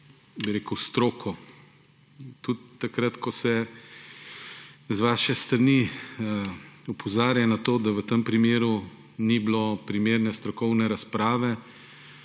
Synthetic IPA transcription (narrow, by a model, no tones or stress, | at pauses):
biɾeːkəwst̪ɾoːkʰɔ | t̪ut̪ːakɾat̪kɔsɛ | zʋaːʃɛst̪ɾani | upʰɔzaːɾjanat̪oːd̪aʋət̪əmpɾimeːɾu | niblopɾimeːɾnɛst̪ɾɔkɔwnɛɾaspɾaːʋɛ